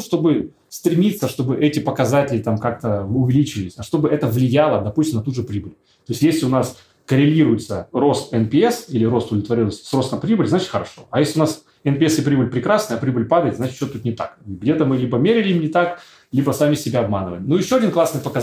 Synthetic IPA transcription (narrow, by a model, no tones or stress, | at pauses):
ʂt̪o̞bɨ | st̪ɾʲɪmʲit̪sːəʂt̪o̞bɨʔɛtʲɪpəkɐzatʲɪlʲɪt̪amkak̚t̪əʊvʲɪlʲit͡ɕɪvɪlʲɪsʲɐʂt̪o̞bɨʔɛt̪əvlʲɪjalˠəd̪ɐpusʲt̪ʲɪmnɐt̪uʐɨpɾʲibɨlʲ | t̪o̞ɪsʲtʲjesʲlʲɪʊnas | kəɾʲɪlʲiɾʊjɪt̪səɾo̞st̪ɛnpʲɪɛsilʲɪɾo̞st̪ʊd̪lʲɪt̪vɐɾʲilˠəsʲtʲsro̞st̪əmpɾʲibɨlʲzat͡ɕɪt̪xəɾɐʂo̞̰ɐjesʲlʲɪʊnas | ɛnpʲɪɛsɪpɾʲibɨlʲpɾʲɪkɾasnəjɐpɾʲibɨlʲpad̪əɪt̪ʲzat͡ɕɪt̪t͡ɕːot̪ut̪nʲɪt̪a̰kɡdʲet̪əmɨlʲibəmʲeɾʲɪlʲɪimnʲɪt̪ak | lʲibəsamʲɪsʲɪbʲaɐbmanɨvəlʲnujɪɕːoɐdʲinklˠasnɨjpəkɐ